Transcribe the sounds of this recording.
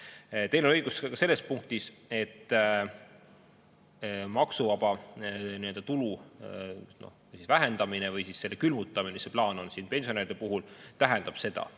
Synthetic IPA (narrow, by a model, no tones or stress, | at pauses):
t̪e̞jnenɤjɡ̥uskɑse̞lːe̞spuŋk̚t̪ise̞t̪ː | mɑksuvɑb̥ɑniø̞ld̪ɑt̪ulu | no̞̰ | jsisvæɦe̞nd̪ɑminevɯjsisːe̞lːekylmut̪ːˑɑmineseplɑːno̞nsinpe̞nsʲioeːɾid̪̥epuɦult̪æɦɛnd̪̥ɑb̥se̞d̪ɑ̰